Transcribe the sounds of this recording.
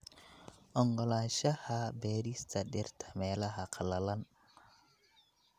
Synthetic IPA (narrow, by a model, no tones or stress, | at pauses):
ɔŋɡolaʃahabeɾistaɗeɾtʰḁmelahakʰalalan